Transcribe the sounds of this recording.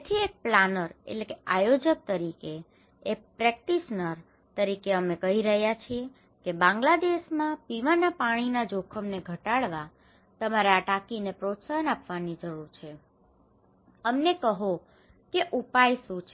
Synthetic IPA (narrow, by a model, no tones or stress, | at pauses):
et̪ʰiek̚planəɾḛʈlekeʔajod͡ʒək̚t̪əɾikeː | k̚pɾɛk̚ʈiʃnəɾ | t̪əɾikeəmekəɦiɾəɦjat͡ʃʰie | kebãŋɡlad̪eʃmãpiʋanapaɽ̃inad͡ʒokʰəmneɡʱəʈaɭʋa | t̪əmaɾaaʈakinepɾot̪saɦənapʋanid͡ʒəɾuɾt͡ʃʰe | əmnekəɦo | keʔupajsũt͡ʃʰ